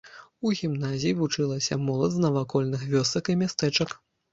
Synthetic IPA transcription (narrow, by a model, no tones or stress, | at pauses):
uɣʲimnazʲijivut͡ʂɨlˠɐsʲɐmɔlˠɐd̪znɐvakɔlʲnɨxvʲɔsɐkimʲast̪ɛt͡ʂɐk